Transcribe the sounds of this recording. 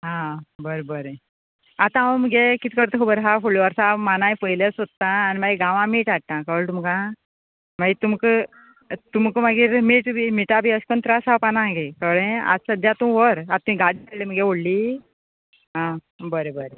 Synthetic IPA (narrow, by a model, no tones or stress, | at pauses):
ɦãbəɾebəɾe | at̪ãaməɡekit̪i̥kəɾt̪əkʰobəɾɦafoɭoʋəɾsamanajpəjlesot̪ːãːnimaɡiɡãʋãmiːʈaʈ̪ãkəʋɭt̪umkã | maɡit̪umk | t̪umkəməɡiːɾmiːʈbʱimiʈabʱiəskənt̪ɾasapanãɡekəʋɭẽa̰səd̪jat̪ũʋəɾat̪ːũĩɡaɽikəleməɡeʋoɽliː | ɦã | bəɾebəɾe